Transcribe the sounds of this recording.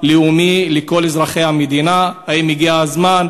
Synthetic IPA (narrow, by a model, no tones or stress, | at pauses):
liumileko̞lezʁaχe̞jhamed̪inahaimiɡiaazman